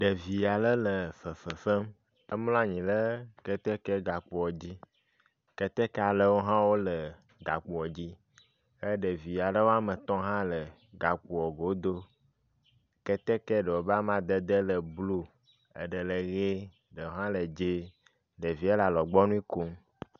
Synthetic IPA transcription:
ɖə˨vi˨ja˨lə˦lə˨fə˨fə˨fə˦m | ə˦ml̃a˦ɲĩ˨lə˦kɛ˦t̪ɛ˦kɛ˦ɡa˨k͡pu˨wɔ˨d͡ʑi˦ | kɛ˦t̪ɛ˦kɛ˦a˨lə˦˨wo˦ɦã˦wo˦lə˨ | ɡa˨k͡pu˨wɔ˨d͡ʑi˦ | ə˦ɖə˨vi˨ja˨lə˦wo˦a˦mə˨t̪ɔ̃˦ɦã˦lə˨ | ɡa˨k͡pu˨wɔ˨ɡo˨˦d̪o˦ | kɛ˦t̪ɛ˦kɛ˦ɖə˨wo˨ba˦mã˦d̪ə˦d̪ə˦lə˨blu˦ | ə̰˨ɖə˨lə˨ɣe˦ | ɖə˨wo˦ɦã˦lə˨d͡ʒe˦ | ɖə˨vi˨˦ɛ˦la˨lɔ˨ɡ͡bɔ˦nũ˦i˦ku˦m

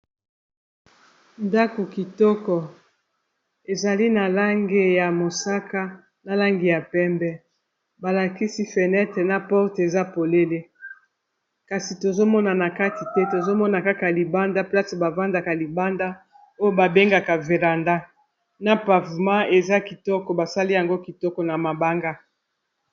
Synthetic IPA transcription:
nda˦ko˨ki˨tɔ˦kɔ˨ | e˨za˨li˦na˨la˦ŋɡe˦ja˨mo˨sa˦ka˦ | na˨la˦ŋɡi˨ja˨pɛ˦mbɛ˦ | ba˨la˨ki˦si˦fɛ˨nɛ˦tɛ˨na˦pɔ˦ʁte˨za˦po˨le˦le˦ | ka˨si˨to˨zo˦mɔ˦na˨na˨ka˦ti˨tɛ˦to˨zo˦mɔ˦na˨ka˦ka˨li˨ba˦nda˦pla˦sba˨va˦nda˨ka˨li˨ba˦nda˦ | o˦jo˦ba˨be˦ŋɡa˨ka˨ve˨ʁa˨nda˦ | na˦pa˨vu˨mã˦e˨za˦ki˨tɔ˦kɔ˨ba˨sa˦li˦ja˨ŋɡo˦ki˨tɔ˦kɔ˨na˨ma˨ba˦ŋɡa˦

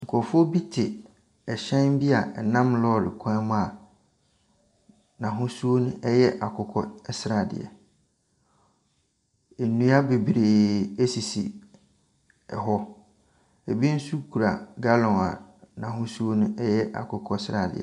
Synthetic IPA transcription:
ŋ̩˨kʰɔ˨fɔ˦bi˦tʰɪ˨ | ɛ˨ɕɛ̃˦m˦bi˦a̰˨ɛ˨nã˦mlɔ˦˨ɾɪ̰˨kʷʰã˦mʊ̃˦a˨ | nã˨ɦʊ̃˦su˦o˦nʊ̃˦ʔɛ˦jɛ˦ʔa˨kʰʊ˨kʰɔ˦ɛ˦sɾa˨dɪ̰˨ɛ̰˨ | e˨nũ˦a˦be˨bi˨ɾeː˨e˦si˨si˨ | ɛ̰˨ɦɔ˦ | e˨bi˦n̩˦su˦kʰu˨ɾa̰˨ɡa˦lɔ̃˨a̰˨nã˨ɦʊ̃˦su˦o˦nʊ̃˦ɛ˦jɛ˦ʔa̰˨kʰʊ˨kʰɔ˦sɾa˨dɪ̰˨ɛ̰˨

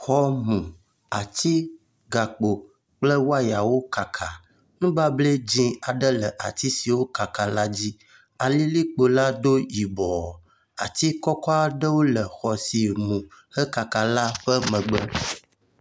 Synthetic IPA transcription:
xɔ˦mũ˨ | a˨t̪i˦ | ɡa˨k͡po˨ | k͡plə˦wo˦a˦ja˨wo˦ka˨kʰa˨ | ŋũ˦ɡ͡ba˦ble˦d͡ʒĩ˦a˨ɖə˦lə˨ʔa̰˨t̪i˦si˨wo˦ka˨ka˨la˦d͡ʑi˦ | a˨li˦li˦k͡po˨la˦d̪o˦ji˨bɔ˨ | a̰˨t̪i˦kɔ˦kɔ˦a˦ɖə˦wo˦lə˨xɔ˨si˨mũ˨hə˦ka˨ka˨la˦ɸə˦mə̃˨ɡ͡bə˦

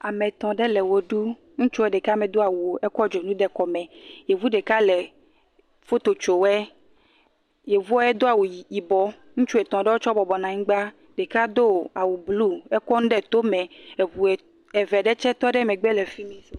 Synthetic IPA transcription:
a˨mɛ̃˨t̪ɔ̃˨ɖɛ˦lɛ˨wo˨ɖu˦ | ŋũ˦t͡ʃu˦ɛ˨ɖe˨ka˦mɛ̃˨d̪o˦a˨wu˨o˨ɛ˦kɔ˦d͡ʒo˨nũ˦ɖɛ˦kɔ˨mɛ̃˨je˨vu˦ɖe˨ka˦lɛ˨ | fo˦t̪o˨t͡ʃo˨wɛ˦ | je˨vu˦ɔ˦ɛ˦d̪o˦a˨wu˨ji˨bɔ˦ | ŋũ˦t͡ʃu˦ɛ˨t̪ɔ̃˨ɖe˦wo˦t͡ʃɔ˦bɔ˨bɔ˨nã˨ɲĩ˦ɡ͡ba˦ | ɖe˨ka˦d̪o˦˨a˨wu˨blu˦ɛ˦kɔ˦nũ˦ɖɛ˦t̪o˦mɛ̃˨ɛ˨vu˨ɛ˨ | ɛ˨vɛ˨ɖɛ˦t͡ʃɛ˦t̪ɔ˦ɖɛ˦mɛ˨ɡ͡bɛ˦lɛ˨fi˦mĩ˦

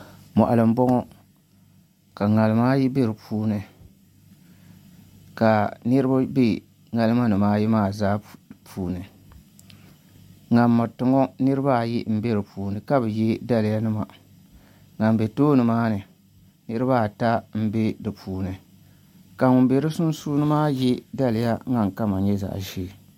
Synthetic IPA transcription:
mɔ̰˨ʔa˨lɨ˨m̩˦bɔ˦ŋɔ˦ | ka˨ŋa˨lɨ˨maː˦ji˦be˦ɾɨ˨pʰuː˦nɨ˨ | ka˨nɨ˦ɾɨ˦ba˦be˦ | ŋa˨lɨ˦ma˦nɨ˨maː˦ji˦maː˦˨zaː˦˨pʰuː˨nɨ˨ | ŋa˨mːa˨tɨ˨ŋɔ˦nɨ˦ɾɨ˦ba˦˨ji˦m̩˦be˦ɾɨ˨puː˨nɨ˨ka˦bɨ˨jɛ˦da˦lɨ˨ja˦nɨ˦ma˨ | ŋa˨m˨be˨toː˦nɨ˨maː˦nɨ˨ | nɨ˦ɾɨ˦ba˦˨ta˦m̩˦be˦dɨ˨pʰuː˨nɨ˨ | ka˨ŋʊ˨˦be˨ɾɨ˦sʊ˦n˦suː˦nɨ˦maː˦jɛ˦da˦lɪ˨ja˦ŋa˨ŋ˨ka˦ma˨ɲɛ˦za̰˨ʒeː˦˨

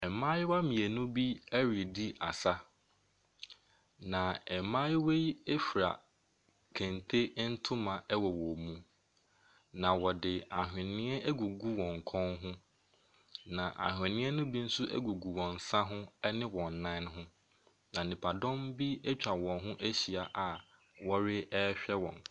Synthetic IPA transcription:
ɛ˨mã˦jɪ˦wa˦mĩ˨e˨nũ˦bi˦æ˦ɾi˨di˦ʔa̰˨sa˦ | nã˨ɛ˨mã˦jɪ˦we˦ji˦e˦fɾa̰˨ | kʰæ̃˨ntʰe˦n̩˦tʰʊ˦mã˨ʔɛ˦wɔ˨wɔ˨mũ˦ | nã˨wɔ˨dɪ˨a˨ɦᶣɪ̃˨nɪ̃˦ɛ˦ɛ˦ɡu˨ɡu˦wɔ̃˨ŋ̩˨kʰɔ̃˦nɦʊ̃˦ | nã˨ʔa̰˨ɦᶣɪ̃˨nɪ̃˦ɛ˦nʊ̃˦bi˦n̩˦sʊ˦ʔæ̰˦ɡu˨ɡu˨wɔ̃˨n˨sa˦ɦʊ̃˦nɪ̃˦wɔ̃˨nː˨ã˦nɦʊ̃˦ | nã˨nĩ˨pʰa˨dɔ̃˦mbi˦ɛ˦t͡ɕᶣa˨wɔ̃˨nɦʊ̃˦ʔæ˦ɕi˨a˨ʔa˨ | wɔ˦ɾɪ˦ɛ˦ɕᶣɛ˦wɔ̰̃˨n

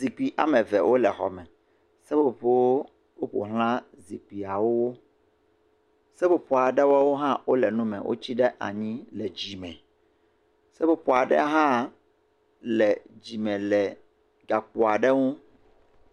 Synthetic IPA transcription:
zi˨k͡pi˨ʔa̰˨mɛ̃˨vɛ˨wʔo˦lɛ˨xɔ̰˨mɛ̃˨ | sɛ˦bo˨ɸe˦wo˦ | wo˦ɸo̰˨ɦl̃ã˦ | zi˨k͡pi˨a˨wo˦wo˦ | sɛ˦bo˨pɔ˨a˨ɖɛ˦wɔ˦wo˦ɦã˦wo˦lɛ˨nũ˦mɛ̰̃˨wʔo̰˦t͡ɕi˦ɖɛ˦ʔa̰˨ɲĩ˦lɛ˨d͡ʑi˨mɛ̰̃˨ | sɛ˦bo˦pɔ˨a˨ɖɛ̰˦ɦã˦ | lɛ˨d͡ʑi˨mɛ̃˨lɛ˨ | ɡa˨k͡po˨a˨ɖɛ˦ŋũ˦

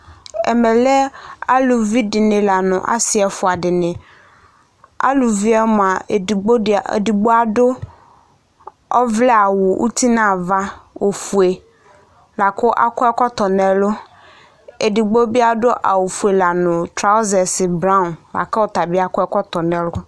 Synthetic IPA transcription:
ɛ̰˨mɛ˨lɛ˦a˦lu˨vi˦dɪ˨nɪ̃˨la˨nʊ̰̃˨ʔa̰˦sɪ˨ɛ˨fʊ˨a˨ɖɪ˨nɪ̃˨ | a̰˦lu˨vi˦ɛ˦mʊ̃˨a˨ɡ͡bo̰˦˨di˨ɡ͡bo˦a˨dʊ˦ | ɔ˦vlɛ˦a˨wʊ˨ʔṵ˦t̪i˦nã˦˨va˦wo˨fu˨e˨ | la˨kʊ˦ʔa̰˦kʊ˦ɛ˦kɔ˦t̪ɔ˨nɛ˨lʊ˦ | e˨di˨ɡ͡bo˦bi˦a˦dʊ˦ʔa̰˨wo˨fu˨e˨la˨nʊ̃˨t̪ɾa˨ʊ˦zɛ˨sɪ˨bɾã˦˨nla̰˨kɛ˦wɔ˨t̪a˨bɪ˦a˦kɔ˦ɛ˦kɔ˦t̪ɔ˨nɛ̃˨lʊ˦

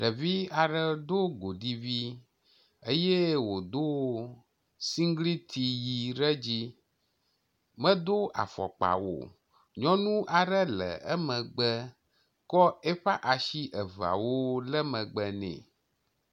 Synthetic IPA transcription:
ɖə˨vi˦a˨ɖə˦d̪o˦ɡo˨ɖi˦vi˦ | e˦je˦wo˨d̪o˦ | si˦ŋ˦ɡli˦t̪i˨ji˨ɖə˦d͡ʑi˦ | mə̃˦d̪o˦ʔa̰˨fɔ̰˨k͡pa̰˨wo̰˨ | ɲɔ̃˦nũ˦ʔa˨ɖə˦lə̰˨ə˦mə̃˨ɡ͡bə˦ | kɔ˦e˦ɸa˦ʔa˨ʃi˦ʔə˨va̰˨wo˦lə˦mə̃˨ɡ͡bə˨nɛ̰̃˨

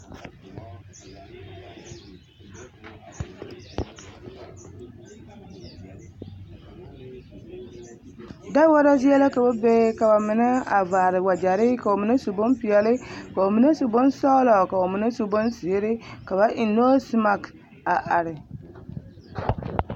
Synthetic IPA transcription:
da˦wɔ˦ɾa˦zi˦ɛ˦la˦ka˨ba˦be˦ka˨ba˨mɪ˨na˦a˨vaː˨ɾɪ˨wa˨d͡ʒa˨ɾɪ˦ka˨o˨mɪ˨˦na˦su˨bo˦npɪ˨ɛ˨lɪ˦ka˨o˨mi˨˦na˦su˨bo˦nsɔ˦lɔ˨ka˨o˨mɪ˨na˦su˦bo˦nsi˨e˦ɾɪ˦ka˨ba˦ʔɪ˨no˦si˦ma˨k | a˨ʔa˨ɾɪ˨

